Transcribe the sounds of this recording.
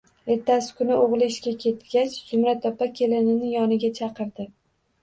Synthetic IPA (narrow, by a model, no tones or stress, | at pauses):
e̞ɾt̪ʰːasɪ̥kʰʊnɪʔoʁlˠɪɪʃkʲakʲʰe̞t̪ɡʲat͡ʃz̥ʊmɾat̪ʰːɒpakʲʰe̞lɪnɪnɪjɒnɪɡʲat͡ʃʰɑqɨɾd̪ɪ